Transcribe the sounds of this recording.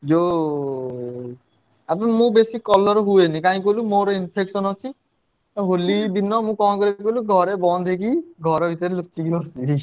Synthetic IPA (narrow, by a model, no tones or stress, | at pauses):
d͡ʒo | apmũbesikːɔlɔɾɦuenĩkaɦĩk̬olumoɾinpʰeksɔnɔt͡ʃʰi | ɦolid̪inːɔmũkɔ̃kɾekoluɡʱɔɾebɔnd̪ʱek̬iɡʱɔɾɔbʱit̪ɔɾelut͡ʃiɡilɔsi